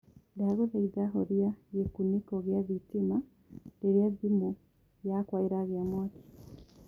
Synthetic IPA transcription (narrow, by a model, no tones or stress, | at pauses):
daɣozeiðaɦoɾjajekunikoɣjaðitima | ɡeɾjadimu | jakwaiɾaɣjamoːti̥